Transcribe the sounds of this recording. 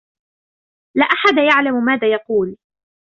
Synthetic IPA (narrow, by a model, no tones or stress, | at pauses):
laːʔaħad̪ajaʕlammaːðaːjɑquːl